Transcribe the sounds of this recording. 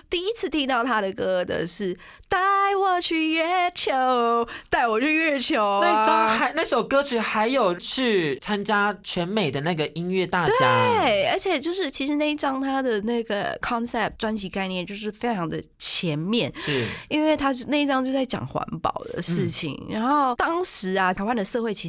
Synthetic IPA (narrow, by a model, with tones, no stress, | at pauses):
t̪i˥˩i˥t͡sʰɹ̩˥˩t̪ʰi˥ŋt̪ɑ˥˩ʊt̪ʰa˥d̪ə˨kɤ˥d̪ə̰˨ʂɻ̩˥˩ | t̪a˥˩ɪwɔ˨˩t͡ɕʰy˥˧ɛ˥˩t͡ɕʰjo˧˥ʊt̪a˥˩ɪwɔ˨˩t͡ɕʰy˥˧ɥɛ˥˩t͡ɕʰjo˧˥ʊna˥˩ʈ͡ʂɑ˥ŋxa˧˥ɪna˥˩ɪʂo˧˩ʊkɤ˥t͡ɕʰy˨˩xa˧˥ɪjo˨˩ʊt͡ɕʰy˥˩t͡sʰa˥nt͡ɕja˥t͡ɕʰɥɛ˧˥nme˨˩ɪd̪ə˦na˥˩ɡə˩ʔi˥nɥɛ˥˧t̪a˥˩t̪wet͡ɕja˥˩ɪə˞˧˥t͡ɕʰjɛ˨˩t͡ɕjo˥˧ʊʂ̬ɻ̩˥˩t͡ɕʰi˧˥ʂɻ̩˧˥na˥˩i˥˩ʈ͡ʂɑ˥ŋt̪ʰa˥d̪ə˨na˥˩ɡə̰˩kʰɑ˥˦nsɛ˥˩p̚ʈ͡ʂwa˥nt͡ɕʰi˧˥ka˥˧ɪnjɛ˥˩nt͡ɕjo˥˧ʊʂ̬ɻ̩˥˩fe˥ɪʈ͡ʂʰɑ˧˥ŋd̪ə̰˧t͡ɕʰjɛ˧˥nmjɛ˥˩nʂ̩˥˩i˥nwe˥˩ɪt̪ʰa˥˧na˥˩i˥˩ʈ͡ʂɑ˥ŋt͡ɕjo˥˧ʊt͡sa˥˩ɪt͡ɕjɑ̰˨˩ŋxwa̰˧˥npɑ̰˨˩ʊd̪ə̰˦ʂɻ̩˥˩t͡ɕʰḭ˨˩ŋɻa˧˥nxo˥˩ʊt̪ɑ˥ŋʂɻ̩˧˥ɐ˧t̪ʰa˧˥wa˥˧nd̪ə˨ʂɤ˥˧xwe˥˩ɪt͡ɕʰi˧